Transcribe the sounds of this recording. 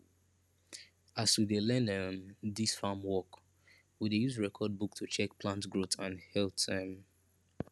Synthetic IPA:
aswidelɛ̃nəndisfamwɔk | widejuzɹɛkʰɔd̚buk̚tʰut͡ʃʰɛk̚pʰlãntɡɹotãnhɛltɛm

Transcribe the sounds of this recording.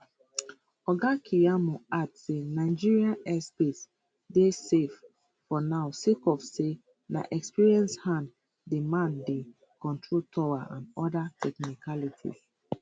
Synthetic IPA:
ɔɡakʰijamoadsenaɪd͡ʒiɹiãnɛspes | desef | fɔnaʊsekɔfse | na̰ʔɛkspiɹiɛ̃nshãnd | demãnde | kɔ̃ntʰɹoltʰɔwaʔãnɔdatʰɛknikʰalitʰḭ

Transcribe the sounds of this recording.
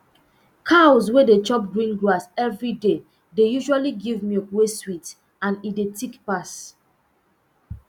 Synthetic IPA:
kʰawzwedet͡ʃɔp̚ɡɹĩnɡɹasɛvɹide | dejuʒualiɡivmiokweswit | ãnidetʰikpas

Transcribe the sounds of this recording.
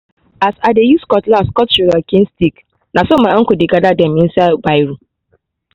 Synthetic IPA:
ʔasadejuskɔtlaskɔtʃuɡakʲɪ̃nstik | nasomaʔaŋkudiɡadadɛmɪ̃nsabajɾu

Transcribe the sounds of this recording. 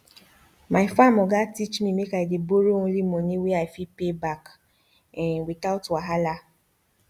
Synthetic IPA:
maɪfamɔɡatit͡ʃmimekaideboɾoŋ̩̃limɔniweaɪfipebak | witaʊtaɦala

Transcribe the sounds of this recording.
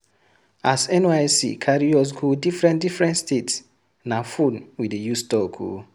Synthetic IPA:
asɛ̃najsḭkʰaɾiɔs̬ɡudifɹɛ̃ndifɹɛ̃ntstets | nafũnwidejustɔkʰṵ

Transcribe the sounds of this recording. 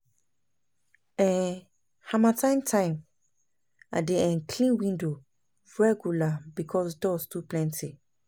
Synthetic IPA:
ɛ̃ | hamãtʰãɪ̃ntʰãɪ̃m | a̰deɛ̃nkʰlĩnwĩndo | ɹɛɡjulabikʰɔsdɔstuplɛ̃ntʰi

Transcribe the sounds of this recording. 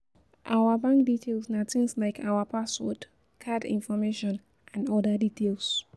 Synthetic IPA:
ʔawəbãŋk̚ditʰelsnatĩnslaɪkʰawəpʰaswɔt | kʰadḭ̃nfɔmeʃɔ̃n | ʔãndɔdəditʰels

